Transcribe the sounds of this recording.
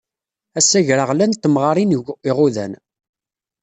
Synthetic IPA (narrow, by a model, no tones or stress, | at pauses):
æsːæʝɾəʁlænt̪ːəmʁɑɾˤiniʁʊðæ̰n